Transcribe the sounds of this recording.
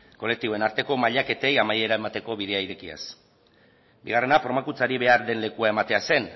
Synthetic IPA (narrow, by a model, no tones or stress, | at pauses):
ko̞le̞k̚t̪iβo̞e̞naɾt̪e̞ko̞maʎake̞t̪e̞jamaje̞ɾae̞mat̪e̞ko̞βiðe̞aiɾe̞kia̰s | biɣ̞are̞nafo̞ɾmakut͡saɾiβe̞aɾðe̞nle̞kuae̞mat̪e̞ase̞n